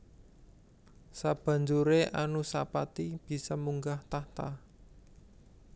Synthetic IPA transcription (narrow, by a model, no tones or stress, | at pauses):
sab̥ä̤ɲd͡ʒuɾeʔanusapat̪ib̥i̤sɔmuŋɡaht̪aht̪a